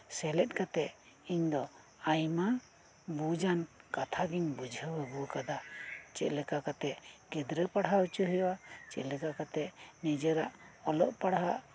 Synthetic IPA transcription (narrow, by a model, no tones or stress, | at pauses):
sɛlɛt̪̚ˀkat̪ɛʔ̪ | iɲd̪ɔ | ajma | bud͡ʒankat̪ʰaɡiɲbud͡ʒʱəbəbukad̪at͡ʃɛʔ̪lɛkakat̪ɛʔɡɛd̪ɾəpaɽɦaut͡ʃuɦɛjwat͡ʃɛ̰ʔlɛkakat̪ɛʔnid͡ʒəɾaʔɔlɔʔpaɽɦaʔ